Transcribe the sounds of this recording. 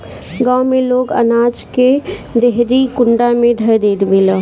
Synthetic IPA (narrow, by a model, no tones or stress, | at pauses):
ɡãwmẽloːɡə̰naːd͡ʒked̪eɦɾikʊɳɖamẽd̪ʱəd̪eːd̪bilə